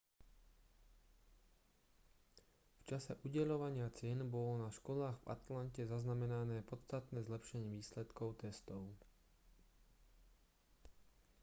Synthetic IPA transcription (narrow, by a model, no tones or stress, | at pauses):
ft͡ʃasɛ̰ʔuɟɛʎɔʋaɲɪat͡sɪɛnbɔlɔnaʃkɔlaːɣva̰t̪lancɛzaznamɛnanɛːpɔt̪t͡st̪at̪nɛːzlɛpʃɛɲiʋiːslɛt̪kɔʊt̪ɛst̪ɔʊ